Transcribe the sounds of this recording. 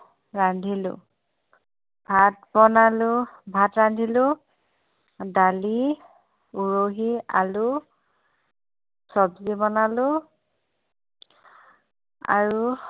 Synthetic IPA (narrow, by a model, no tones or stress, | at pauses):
ɹandʱilʊ̰ | bʱatbɔnalʊbʱatɹandʱilʊ | dali | uɹoɦia̰lʊ | sɔbzibɔnalʊ | a̰ɹu